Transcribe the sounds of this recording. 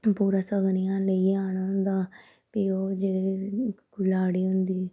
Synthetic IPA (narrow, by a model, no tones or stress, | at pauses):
puːɾaːsəɡnɪjãːləiːaːɳad̪aː | pioːd͡ʒeeɡʊlaːɽiːɦʊnd̪iː